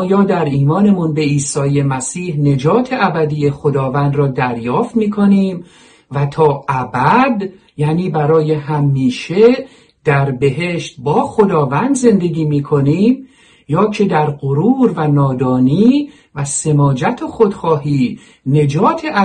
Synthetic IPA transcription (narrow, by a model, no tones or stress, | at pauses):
jɒːd̪æɾiːmɒːne̞munbe̞iːsɒːjemæsiːhne̞d͡ʒɒːt̪ʰe̞ʔæbæd̪iːje̞xo̞d̪ɒːvænd̪ɾɒːd̪æɾjɒːft̪miːkʰo̞niːm | væt̪ʰɒːʔæbæd̪ | jæːniːbæɾɒːje̞ɦæmːiːʃe̞ | d̪æɾbe̞ɦe̞ʃt̪̚bɒːxo̞d̪ɒːvænd̪ze̞nd̪e̞ɟiːmiːkʰo̞niːm | jɒːcʰe̞d̪æɾɢoɾuːɾvænɒːd̪ɒːniː | væse̞mɒːd͡ʒæt̪ʰoxo̞d̪xɒːɦiː | ne̞d͡ʒɒːt̪ʰe̞ʔæ